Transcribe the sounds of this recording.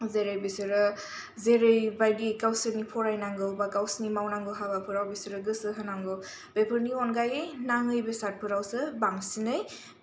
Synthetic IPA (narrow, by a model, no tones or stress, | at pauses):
zeɾɯjbesɯɾɯ | zeɾɯjbajdikawsɯnipʰɔɾajnaŋɡɯwbakawsnimawnaŋɡɯwɦabapʰɯɾawbisɯɾɯɡɯsɯɦɯnaŋɡɯw | b̥epʰɯɾniɔnɡajɯjnaŋɯjbesat̚pʰɯɾawsɯbaŋsinɯj